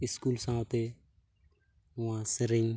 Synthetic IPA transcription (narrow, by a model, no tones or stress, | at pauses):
ɪskuːlsãːt̪eː | ʊãːsəɾɪ̃ŋ